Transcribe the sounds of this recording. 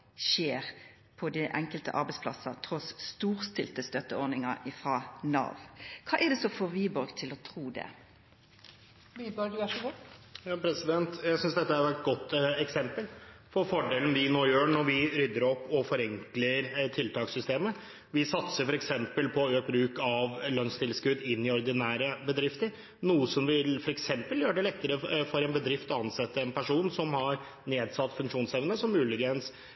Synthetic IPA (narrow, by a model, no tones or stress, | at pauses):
ʃeːʁ | pʰɔd̪ɪʔɛŋkəlt̪ə̰ʔɑ̰ɾbɛɪspʰlɑ̰sɑt̪ʰɾɔsːt̪uːʁst̪ɪlt̪əst̪œt̪ːəɔʁnɪŋɑ̰ɪfʁɑːnɑ̰ːʋkʰɑ̰ːʔɛd̪ɛsɔfɔʋiːbɔɾɡt̪ʰɪlɔt̪ʰɾuːd̪ɛ̰ | ʋiːbɔɾɡʉæʂɔɡɔjɑːpʰɾɛsɪd̪ɛnt̪jæɪsʏnsd̪ɛt̪ːəæɾɛt̪̚ɡɔt̪ːɛksɛmpəlfɔɾfɔɖeːlən̩d̪ɪnoːjøːɳɔɾʋɪɾʏd̪ːəɾɔpːɔfɔɾɛŋkləɾt̪ʰɪlt̪ʰɑːksʏst̪eːmə | ʋɪsɑt̪səɾfɔɾɛksɛmpəlpʰɔøːk̚bɾʉːkɑʋlœnst̪ʰɪlskʉd̪ɪnːɪɔɾd̪ɪnæːɾəbəd̪ɾɪft̪əɾ | nuːəsɔmʋɪlfɔɾɛksɛmpəljøːɖɛlɛt̪ːəɾəfɔɾɛnbəd̪ɾɪft̪ɔɑnsɛt̪ːəɛnpʰæʂuːnsɔmhɑɾ | neːd̪sɑt̪ːfʉŋkʂuːnsɛʋnəsɔmːʉːlɪɡəns